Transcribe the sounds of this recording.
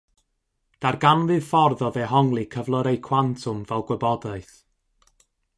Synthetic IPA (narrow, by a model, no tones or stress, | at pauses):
d̥arɡanvɨð̥fɔrðɔðeɦɔŋlˠɨkʰəvlˠɔɾejkʰw̥antʰʊmvɛlˠɡwɛbɔdaɨθ